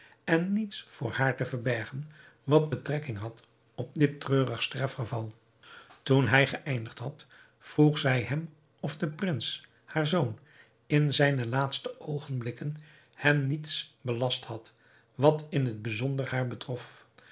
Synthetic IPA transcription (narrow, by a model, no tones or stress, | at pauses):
ɛnːitsfʊːɹhaːɹtəvəɹbɛɹχən | ʋɑd̚bətrɛkɪŋɦɑt | ɔb̚dɪtrøːrəχstrɛfχəvɑlˠ | tunɦɛjχəʔɛjndəχtɦɑt | fruχzɛjɦɛm | ɔfdəprɪns | haːɹzown | ɪnzɛjnəlaːtstəʔowχənblɪkən | hɛmnitsbəlɑsthɑt | ʋɑtɪnɦəd̚bizɔndəɹhaːɹbətrɔf